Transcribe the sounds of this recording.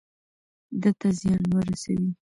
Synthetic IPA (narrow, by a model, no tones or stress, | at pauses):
d̪ət̪azjɑnwəɾasa̰wi